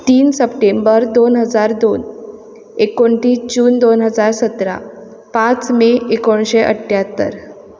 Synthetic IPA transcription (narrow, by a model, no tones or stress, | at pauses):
t̪iːnsəpʈembəɾd̪onɦəd͡zaɾd̪on | ekoɳʈiːd͡ʑuːnd̪onɦəd͡zaɾsət̪ɾa̰ | pãt͡smeekoɳɕeʔə̰ʈʰːjat̪ːə̰ɾ